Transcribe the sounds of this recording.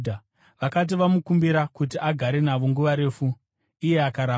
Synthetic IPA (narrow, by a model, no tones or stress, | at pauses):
dʱa | ʋakat̬iʋamukumbiɾakut̬iʔaɡʱaɾe̞naʋo̞ŋɡuʋaɾe̞ːfu | ije̞akaɾaː